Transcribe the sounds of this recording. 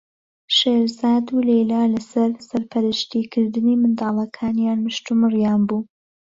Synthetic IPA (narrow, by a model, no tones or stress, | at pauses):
ʃeːɾzaːd̪ulejlaːlɐsɐɾsɐɾpʰɐɾɨʃt̪ikʰɨɾd̪ɨniːmɨnd̪ɑːlˠɐkʰaːnjaːnmɨʃt̪umɨrjaːnbuː